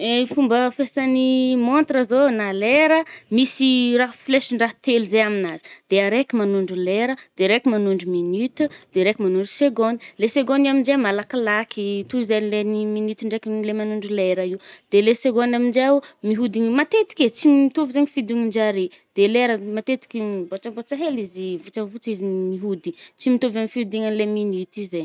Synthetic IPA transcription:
efumbəfesanimont̪rəzonaleɾəmisiraɦfleʃiɳɖ͡ʐaɦt̪eluzeaminazi̥d̪̥eaɾekʲimanuɳɖ͡ʐuleɾəd̪̥eɾekimanuɳɖ͡ʐuminyt̪ud̪̥eɾekʲimanuɳɖ͡ʐuseɡond̪leseɡonamind͡ʒemalakilakʰit̪uizenleniminit̪iɳɖ͡ʐekilemanuɳɖ͡ʐuleɾəid̪̥eleseɡonamind͡ʒemiɦud̪iŋimat̪et̪i̥kʲet͡simit̪uvizeɲifid̪iŋind͡ʒaɾi | d̪̥eleɾəmat̪et̪i̥kʲiboʈ͡ʂabot͡ʃaɦelizivut͡ʃəvut͡sizimiɦud̪it͡simit̪ovanifihud̪iŋanleminit̪ize

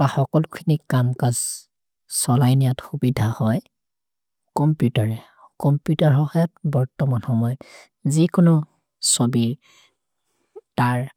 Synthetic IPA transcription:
b̥axɔkɔlʊkʰinikamkaz | sɔlajnijatxubidʱahɔj | kɔmpjutaɹɛ | kɔmpjutaɹɦɔɦɔjatbɔɹtɔmanxɔmɔjɔt | zikʊnʊ | sobiɹ | taɹ

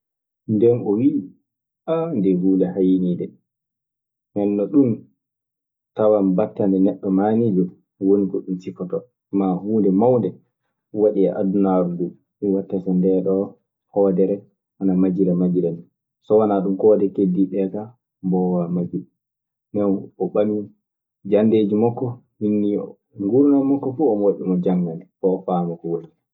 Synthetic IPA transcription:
ndɛnʔɔwi | ʔandɛhuːndɛhajiniːdɛ | mɛnːɔɗum | tawambatːandɛnɛɗːɔmanid͡ʒɔ | wonikɔɗumsifɔtɔ | mːahuːndɛmawndɛ | waɗia̰ʔadunaɾudu | miwatːasandɛɗɔ | hɔːdɛɾɛ | ʔanamad͡ʒiɾɛmad͡ʒiɾɛni | sɔwanaɗumkɔːdɛkediɓɛta | mbɔwamad͡ʒi | nɛwɔɓami | d͡ʒanded͡ʒimɔkːɔ | hinːiɔ̰ | ŋɡuɾnamɔkːɔfuɔmɔwaɗimɔd͡ʒaŋɡanɛkɔːfaːmɔkɔwoɾi

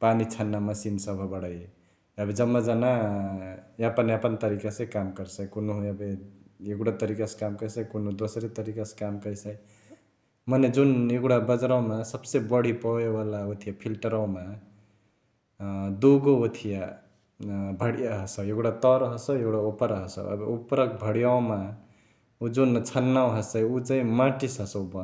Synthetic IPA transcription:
panit͡sʰanːamʌsinsʌbʱʌbʌɽʌj | abed͡zʌmːʌd͡zana | apʌnapʌnt̪ʌɾikasʌ̃jkamkʌɾsʌjkunɦũabeeɡuɽat̪ʌɾikaskamkʌjsʌjkunũd̪osɾit̪ʌɾikaskamkʌjsʌj | mʌned͡zunekɽabʌd͡zɾawmasʌbsebʌɽipʌewalaut̪ʰijapʰilʈʌɾaw̃ma | d̪uɡout̪ʰija | bʱʌɽijaɦʌsʌwjeɡɽat̪ʌɾɦʌsʌwjekɽaupʌɾɦʌsʌ̰ʌ̰bupɾʌk̚bʱʌɽijaw̃ma | ud͡zunt͡sʰʌnːawɦʌsʌjut͡saĩmaʈisɦʌsʌwbʌn

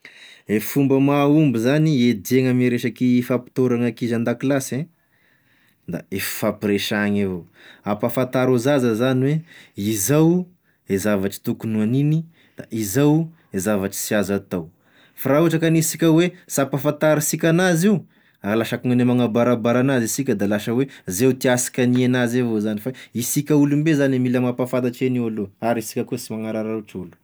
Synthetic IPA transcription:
efumbəmaumbizanied̪eŋəmiɾeʃakifapi̥t̪oɾaŋakizand̪akilasẽ | d̪a̰efi̥fapiɾeʃaŋavo | apafant̪aɾuzazazaniweizaw | ezavaʈ͡ʂi̥t̪ukunuanini | d̪̥a̰ʔizaw | ezavaʈ͡ʂi̥siazat̪aw | fɾauʈ͡ʂakanisikʲəwesapafant̪aɾisikʲanaziu | alaʃakuŋanemaŋabaɾabaɾanazisikʲəd̪alaʃəwezewt̪iasi̥kʲanienazevozanifaisikʲəulumbezanemilamapafad̪aʈ͡ʂenialoaɾisi̥kʲakusimaŋaɾaɾauʈ͡ʂulu̥

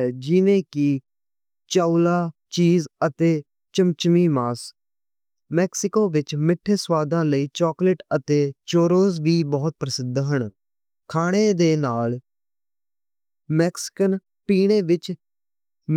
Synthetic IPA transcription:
ɛːd͡ʒɪnẽːkɪ | t͡ʃaːulaː | t͡ʃiːzət̪eː | t͡ʃəmt͡ʃmiːmaːs | mɛːksɪkoːʋɪt͡ʃmɪʈʰːeswaːd̪ãːləiːt͡ʃɔːkləʈət̪eːt͡ʃoːɾoːzʋiːbɔːt̪̚pɾəsɪd̪ʱɦəɳ | kʰaːɽ̃eːd̪eːnaːl | mɛːksɪ̥kən | piːɽ̃eːʋɪt͡ʃ

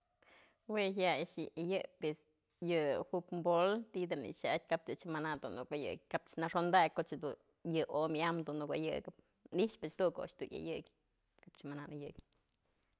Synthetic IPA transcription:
weɦjaaʂɨʔajɨpes | jɨhupmbolt̪id̪ɨnḭʔʃaʔt̚ʲkap̚t̪ɨt͡ʃmanad̪unukajɨ̰k̚kapt͡ʃnaʂond̪ak̚ʲkoʔt͡ʃd̪u | jɨʔomʲamd̪unukajɨ̰ɡɨp̚ | niʂpɨt͡ʃt̪uʔko̰ʔt͡ʃt̪ujʲa̰jɨkʲ | kapt͡ʃmananʔɨjɨ̰ʔkʲ

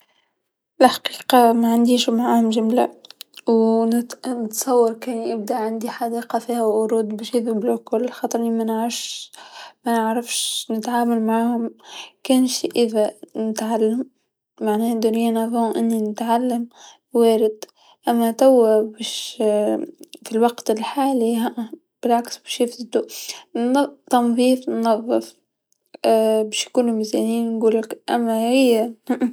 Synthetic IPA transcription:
lħqiːqɑmæʕand̪iːʃmaʕahʊmʒamla̰w | nt̪sˤɑwːɑɾkɛːnʔɪb̚d̪aʔʕand̪iħad̪iːqɑfiːhæwʔʊɾuːd̪bæʃjiðʊbluklxɑːt̪ˤɾʔɪnːimænʕɑfʃ | mænəʕɾɑfʃnɪt̪ʕaːmalmaʕaːhʊmkæːnʃiʔəðænɪt̪ʕalːamː | aʕneːd̪ʊːnɪjːanaðhʊʔɪnːinɪt̪ʕalːam | weːɾɪd̪ | ʔamːat̪awːabeʃ | filwɑɡt̪ɪlħaːliɦaʔ | b̥ɪlʕaksbeːʃjɪfzɪd̪u | t̪ɑnðˤiːfnːɑðˤːɨf | beːʃjkuːnumɪzanjiːnnɡuːlakʔa̰mːahɪjːa

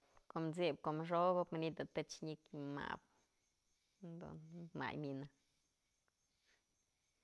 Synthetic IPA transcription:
komd͡zib̚komʐoɡobmnid̪at̪et͡ʃɲikma̰b̚ | nd̪o̰nma̰jmina

